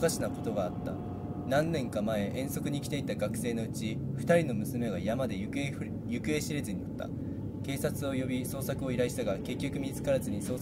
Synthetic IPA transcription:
kaɕinako̞t̪o̞ɡaːt̪ːa̰ | nãnːẽ̞ŋkamae̞ʔẽ̞ɰ̃so̞kɯ̟ɲ̟ikʲt̪e̞it̪ːaɡakɯ̟̥se̞ːno̞ɯ̟t͡ɕiɸɯ̟t̪aɾʲino̞mɯ̟sɨme̞ɡajamad̪e̞ | jɯ̟kɯ̟e̞ɕiɾe̞zɨɲ̟inat̪ːa̰ | ke̞ːsat͡sɨo̞jo̞bʲiso̞ːsakɯ̟o̞iɾaiɕi̥t̪aɡake̞kʲːo̞kɯ̟mʲit͡sɨ̥kaɾazɨɲ̟iso̞ː

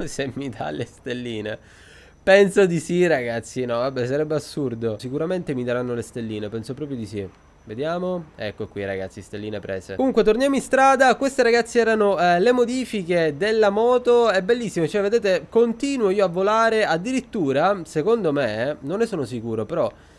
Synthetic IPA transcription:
semːid̪a̰lest̪elːiːnḛ | pɛnsod̪isiraɡat̪sːinɔvabːɛsaɾɛbːeasurd̪osikuɾament̪emid̪aɾanːolest̪elːiːnepɛnsopɾɔːpɾjod̪isi | ved̪jaːmoɛ̰kːoɛkːwira̰ɡa̰t̪sːist̪elːiːnepɾɛ̰ːsḛkomuŋkwet̪ornjaːmoinst̪ɾaːd̪akwest̪eɾaɡat̪sːiɛːɾanolemod̪iːfiked̪elːamɔːt̪oɛbːelːisːimot͡ʃoɛved̪eːt̪ekont̪iːnwoiːoavːolaːɾead̪ːiɾit̪ːuːɾasekond̪omenonːesoːnosikuːɾopeɾɔ

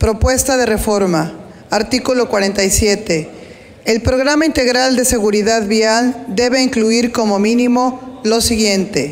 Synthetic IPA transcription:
pɾo̞pwe̞st̪aðere̞fo̞ɾma | aɾt̪ikulo̞kwaɾent̪ajsje̞t̪eː | lpɾo̞ɣɾamaint̪e̞ɣɾald̪e̞se̞ɣuɾiðaðβiald̪e̞βe̞iŋkluiɾko̞mo̞mĩnimo̞lo̞siɣje̞nt̪e̞

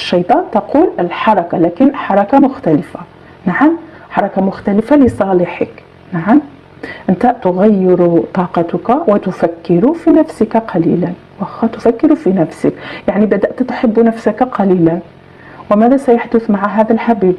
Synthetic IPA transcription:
ʃːɑjt̪ˤɑːnt̪ɑquːləlħɑɾˤɑkalækənħɑɾˤɑkamʊxt̪æləfa | naʕam | ħɑɾˤɑkamʊxt̪æləfaləsˤɑləħək | naʕam | ʔənt̪aʔt̪ʊɣæjːɪɾut̪ˤɑːqɑt̪ʊkawɪt̪ʊfækːɪɾufinæfsəkaqɑlḭlan | wæxt̪ʊfækːɪɾufinæfsəkjaʕnibæd̪aʔt̪t̪ħəbːnæfsakqɑlilan | wəmæðæsæjaħd̪ʊθmaʕaɦæd̪ælħabiːb

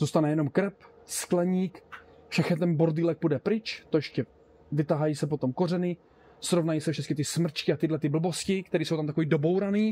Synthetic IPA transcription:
zuːst̪anɛjɛno̞mkɾɛp | sklɛɲiːk | fʃɛxɲɛt̪̬ɛnboɾd̪iːlɛk̚pudɛpɾɪt͡ʃt̪ojɛʃcɛ | vɪt̪aɦajiːsɛpot̪o̞mko̞rɛnɪ | sɾo̞vnajiːsɛfʃɛtt͡skɪt̪ɪsmr̩t͡ʃkɪat̪ɪdlɛt̪ɪbl̩bo̞scɪkt̪ɛɾiːsowt̪amt̪akoviːdo̞bo̞wɾaniː

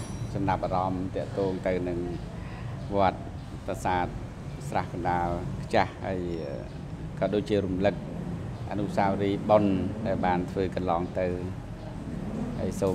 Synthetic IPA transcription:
sɑmnap̚ʔaːɾɑmt̪ɛ̆əʔt̪ɔːŋt̪ɨwnɨŋ | ʋŏət̪̚ | pasaːt̪̚ | srahkɑnɗaːlkʰt͡ɕahha̰əjə | kɑːɗoːc̚t͡ɕiəɾumlɨk̚ | ʔa̰nuʔsaːwɾiːɓonɗaɛlɓaːnt̪ʰʋəːkɑnlɑːŋt̪ɨw | ha̰ːəjsoː

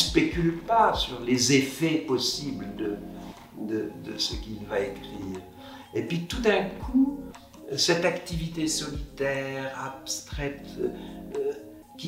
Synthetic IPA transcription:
spekʲylpasyʁlezefɛpɔsibld̪ə | d̪əd̪əsəkilvaekχiːʁ | epɥit̪ud̪ɛ̃kʰu | sɛt̪akt̪ivit̪esɔlit̪ɛʁapst̪χɛt̪ | kʲi

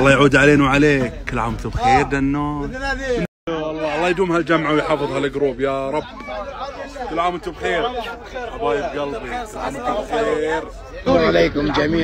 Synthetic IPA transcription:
ʔɑlˤːɑːjʕuːd̪ʕaleːnwʕaleːkkːɪlːʕa̰ːmɪnt̪ubxeːɾd̪anːoːnʔɪn | ɑlˤːɑɑlˤːɑːjd̪uːmhald͡ʒamʕawjħɑːfɨðˤhalɡɾuːbjaɾˤɑb | kɪlʕaːmʔɪnt̪ubxeːɾ | ʔabaːjɪbɡɑlbikɪlʕaːmɪnt̪ubxeːɾ | ʕaleːkʊmd͡ʒamiː

